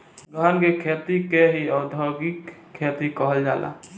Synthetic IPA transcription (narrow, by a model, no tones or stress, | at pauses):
ɾɔɦənkekʰet̪ikeɦiɔːd̪ʱɔɡikkʰːet̪ikɔɦəld͡ʒaːla̰